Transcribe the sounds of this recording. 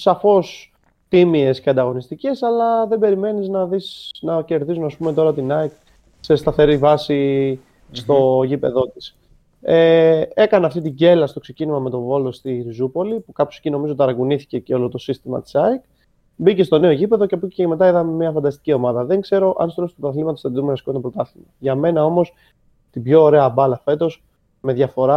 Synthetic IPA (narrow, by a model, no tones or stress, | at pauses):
sɐfo̞s | t̪imie̞sceɐnd̪ɐɣo̞nist̪ice̞sɐlɐðebe̞ɾime̞niznɐðisnɐce̞ɾðizunɐspume̞t̪o̞ɾɐt̪inɐik | se̞st̪ɐθe̞ɾivɐsi | st̪o̞ʝipe̞̰ðo̞t̪is | ee̞kɐnɐft̪it̪iɲɟe̞lɐst̪okse̞cinimɐme̞t̪o̞vo̞lo̞st̪iɾizupo̞lipukɐpço̞secino̞mizot̪ɐɾɐɡuniθi̥ce̞ceo̞lo̞t̪o̞sist̪imɐ̰t̪i̥sɐik | bice̞st̪o̞ne̞o̞ʝipe̞ðo̞ceɐpuceeme̞t̪̬ɐiðɐmmiɐfɐnd̪ɐst̪i̥cio̞mɐðɐðe̞ŋɡse̞ɾo̞ʔɐ̰nst̪lost̪pot̪ɐθlimɐt̪ost̪ɐt̪iðumenɐsi̥kot̪opɾot̪ɐθimɐʝɐme̞nɐo̞mo̞s | t̪ibʝo̞ːɾe̞ɐbɐlɐfe̞t̪o̞s | me̞ðʝɐfo̞ɾɐ